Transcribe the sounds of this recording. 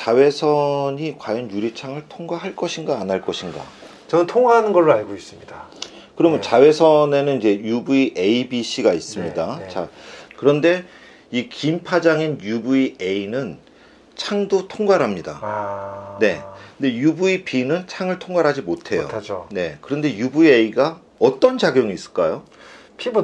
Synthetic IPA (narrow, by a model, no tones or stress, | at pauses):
t͡ɕawe̞sʰʌɲikwajʌnjuɾit͡ɕʰaŋɯɭtʰoŋɡaɦaɭk͈ʌɕʰiŋɡaːnaɭk͈ʌɕʰiŋɡa̰ | t͡ɕʌnɯntʰoŋaɦanɯnɡʌɭːoaɭɡois͈ɯmɲida | kɯɾʌmɯnt͡ɕawe̞sʰʌne̞nɯnid͡ʑe̞jubuiʔe̞ibiɕʰiɡais͈ɯmɲidat͡ɕakɯɾʌnde̞ | ikimpʰad͡ʑaŋinjubuie̞inɯn | t͡ɕʰaŋdotʰoŋɡaɾɦamɲida̰ | ne̞kɯnde̞jubuipʰinɯnt͡ɕʰaŋɯɭtʰoŋɡaɾɦad͡ʑimotʰe̞jjo̰d͡ʑne̞kɯɾʌnde̞jubue̞iɡa | ʌt͈ʌnt͡ɕaɡjoŋiːs͈ɯ̥ɭk͈ajo | pʰib